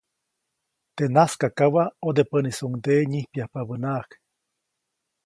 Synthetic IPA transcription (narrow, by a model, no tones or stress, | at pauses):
t̪enaskakawaod̪epənisuŋd̪eɲihpiahpaβənak